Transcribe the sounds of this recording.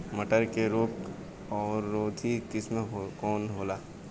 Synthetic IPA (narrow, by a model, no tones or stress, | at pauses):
məʈəɾkeɾoːk | ɔːɾːoːd̪ʱikɪsmẽkɔːnɦoːlaː